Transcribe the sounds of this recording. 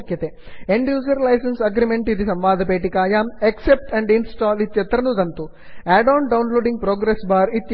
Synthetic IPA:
kjɐt̪e | eɳɖjuːd͡ʒɐɾlɐjsensɐɡɾimeɳʈid̪isɐmʋaːd̪ʱɐpeːʈikaːjaːmeksep̚ʈɐɳɖinsʈaːlit̪jɐt̪ɾɐnud̪ɐnt̪u | æːɖaːnɖɐwnloːɖiŋɡ̚pɾoːɡɾesbaːɾit̪j

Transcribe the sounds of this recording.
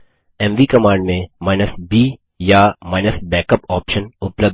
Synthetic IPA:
ɛ̃mʋiːkɐmãːɳɖmẽmaːɪnəsbiː | jamaːɪnəsbɛːkəpɔːpʃənʊpləb̚

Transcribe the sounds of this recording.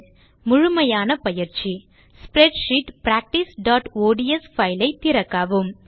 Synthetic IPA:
mʊɻʊmɐjaːnɐpɐjɪɾt͡ʃi | spɾɛɖʂiʈpɾaːk̚ʈisɖaːʈoːɽiɛsfɐɪlɐɪt̪ːɪɾɐkːaːʋɯm

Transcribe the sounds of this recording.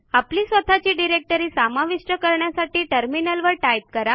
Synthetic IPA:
apliːsʋət̪ʰat͡ɕiːɖiɾek̚ʈəɾiːsamaʋiʂʈəkəɾɳjasaʈiːʈəɾminəlʋəɾʈajp̚kəɾa

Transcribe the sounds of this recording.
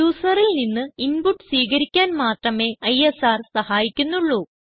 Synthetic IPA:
uːsɐrilninːɨinpuʈːsʋiːɣɐɾikʲːaːnmaːʈrɐme̞ːɐjesaːrsɐhaːjikʲːunːuɭːuː

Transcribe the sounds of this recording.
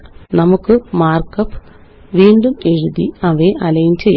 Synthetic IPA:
nɐmukːɨmaːrkɐpː | ʋiːɳɖume̞ɻuðiɐʋeʔɐlɐjumt͡ɕej

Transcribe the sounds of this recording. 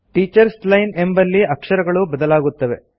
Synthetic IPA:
ʈiːt͡ʃɐɾslɐjne̞mbɐlːiɐkʂɐɾɐɡɐɭubɐd̪ɐlaːɡut̪ːɐʋe̞̰

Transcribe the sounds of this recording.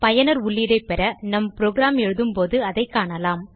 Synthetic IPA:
pɐjɐnɐɾʊɭːiɽɐɪpɛɾɐnɐmpɾoːɡɾaːmɛɻɯðɯmpoːðɯɐðɐɪkːaːɳɐlaːm

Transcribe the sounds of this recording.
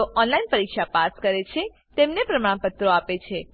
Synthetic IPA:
oʔɔnlainpəɾikʃapaskəɾet͡ʃʰe | t̪emnepɾəmãɽ̃pət̪ɾoapet͡ʃʰe

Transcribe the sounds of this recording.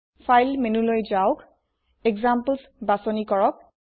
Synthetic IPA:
fʰajlmenulojzaʊk | ɛɡzampəlsbasɔnikɔɹɔk̚

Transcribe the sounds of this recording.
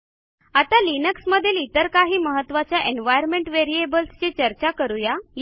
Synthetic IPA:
at̪alinəksməd̪ʱːjelit̪əɾkaɦiːməɦət̪ːʋat͡ɕjaʔenʋajəɾmeɳʈʋeɾiebəlst͡ɕet͡ɕəɾt͡ɕakəɾujaj

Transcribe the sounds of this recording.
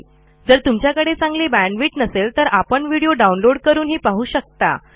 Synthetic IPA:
d͡zəɾt̪umt͡ɕjakəɽet͡sãŋɡlebæɳɖʋiːʈnəselt̪əɾapəɳʋiɽijoɖaunloɽkəɾuːnɦiːpaɦuːɕək̚t̪a̰

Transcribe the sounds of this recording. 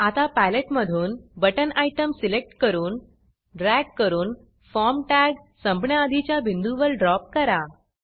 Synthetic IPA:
at̪apæleʈməd̪ʱuːnbəʈənaiʈəmsilek̚ʈkəɾuːn | ɖɾæɡ̚kəɾuːn | fɔɾmʈæɡsə̃mpɳjaəd̪ʱit͡ɕjabʱind̪uʋəɾɖɾɔp̚kəɾa

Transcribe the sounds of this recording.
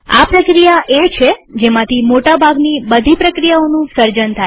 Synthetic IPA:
a̰pɾəkɾijaʔet͡ʃʰed͡ʒemãt̪ʰimoʈabʱaɡnibəd̪ʱipɾəkɾijaonũsəɾd͡ʒənt̪ʰaj

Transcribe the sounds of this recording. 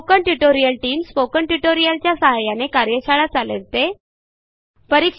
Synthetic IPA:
kəɳʈjuʈoɾijəlʈiːmspokəɳʈuʈoɾijəlt͡ɕjasəɦajanekaɾjəɕaɭat͡salə̰ɾt̪e | pəɾik

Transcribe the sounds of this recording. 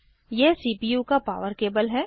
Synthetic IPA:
jesiːpiːjukapa̰ːʋəɾkeːbəlɦɛː

